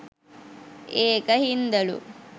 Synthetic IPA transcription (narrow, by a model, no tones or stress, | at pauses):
eːkɐhind̪ɐɭṵ